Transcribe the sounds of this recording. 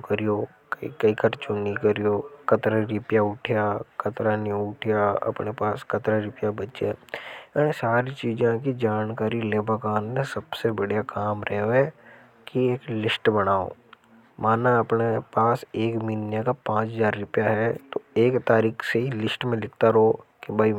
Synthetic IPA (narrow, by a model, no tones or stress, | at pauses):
kɐɾijoːkḭkɐikɐɾt͡ʃunikɐɾijokɐt̪ɾaɾɪpjaʊʈʰijakɐt̪ɾaniʊʈʰijaɐ̰pnepaːskɐt̪ɾaɾɪpjabɐtːʃe | saːɾit͡ʃiːd͡ʒãkid͡ʒaːnkaːɾileːbakaːnmẽsɐbsebɐɽjakaːmɾɛɦe | kieːklɪsʈbɐɽaːo̰ː | maːnaɐpnepaːseːkmiːnjakapãːt͡ʃzaːɾːʊpjaɦɛt̪oeːkt̪aːɾiːkʰseɦilɪsʈmẽlɪk̚ʰt̪aɾoːkibʱai